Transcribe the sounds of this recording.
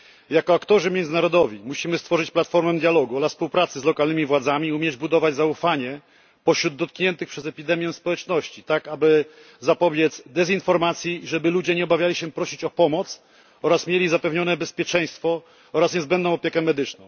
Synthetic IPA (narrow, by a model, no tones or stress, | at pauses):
jakɔakt̪ɔʐɘmʲjɛndzɘnaɾɔd̪ɔvʲimuɕimɘst̪fɔʐɘt͡ɕplat̪fɔɾmɛd̪jalɔɡuɔlasspuwpɾat̪sɘzlɔkalnɘmʲivwad̪zamʲiumʲjɛd͡ʑbud̪ɔvad͡ʑzaufaɲɛ | pɔɕɾud̪ːɔt̪̚kɲɛnt̪ɘxpʂɛzɛpʲid̪ɛmʲjɛ̃spɔwɛt͡ʂnɔɕt͡ɕit̪akabɘ | zapɔbʲjɛt̪zd̪ɛzinfɔɾmat̪sʲjiʐɛbɘlud͡ʑɛɲɛɔbavʲjalʲiɕɛpɾɔɕit͡ɕɔpɔmɔt̪s | ɔɾasmʲjelʲizapɛvɲɔnɛbɛspʲjɛt͡ʂɛj̃st̪fɔ | ɔɾasɲɛzbɛnd̪nɔ̃w̃ɔpʲjɛkɛmɛd̪ɘt͡ʂnɔ̃w̃